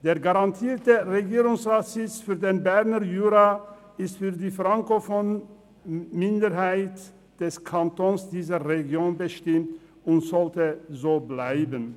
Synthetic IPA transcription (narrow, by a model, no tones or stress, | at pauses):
d̥eːɐɡaʁantʰiːɐtəʁeɡiːʁʊŋsʁaːtz̥ɪt͡sfyːɐdeːnbɛɐnəjyːʁa | ɪstfyːɐdiːfʁaŋkofɔn | mɪndəʁɦaɪt | d̥ɛskʰantoːnsd̥iːzəʁeɡjoːnbəʃtɪmt | ʊntz̥ɔltəzoːblaɪbən